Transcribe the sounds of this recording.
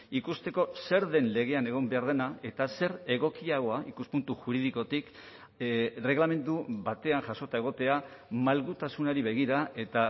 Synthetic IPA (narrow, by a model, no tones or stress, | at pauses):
ikust̪e̞ko̞se̞ɾðe̞nle̞ɣ̞e̞ane̞ɣ̞o̞mbe̞aɾð̞e̞nae̞t̪ase̞ɾe̞ɣ̞o̞kiaɣ̞o̞aikuspunt̪uʝuɾiðiko̞t̪ik | re̞ɣlame̞nd̪uβat̪e̞anʝaso̞t̪ae̞ɣ̞o̞t̪e̞a | malɣut̪asunaɾiβe̞ɣ̞iɾae̞t̪a